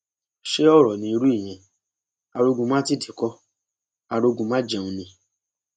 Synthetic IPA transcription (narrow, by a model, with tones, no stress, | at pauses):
ʃe˦ɔ˦˨ɾɔ˨nĩ˧i˧ɾu˦i˦˨j̃ɛ̃˧˨ | a˧ɾo˧ɡũ˧mã˦ti˦˨di˨kɔ˦ | a˧ɾo˧ɡũ˧mã˦d͡ʒɛ˧ũ˧nĩ˧